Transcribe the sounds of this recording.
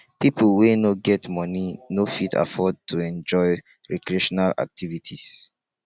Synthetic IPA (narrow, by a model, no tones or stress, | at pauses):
piplwenoɡɛtmɔninofitʰa̰fɔd̚tʰuɛ̃nd͡ʒɔɪ | ɹɛkɹieʃɔnala̰k̚tʰivitʰis